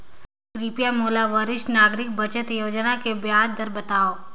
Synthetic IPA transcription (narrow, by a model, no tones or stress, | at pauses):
kɾipjamoːlaʋəɾɪʃʈnaːɡɾɪk̚bət͡ʃət̪joːd͡ʒnakebjaːd͡ʒd̪əɾbət̪aːoː